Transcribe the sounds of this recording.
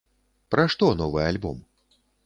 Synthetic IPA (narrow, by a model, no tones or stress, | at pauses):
pɾaʂt̪ɔnɔvɨalʲbɔm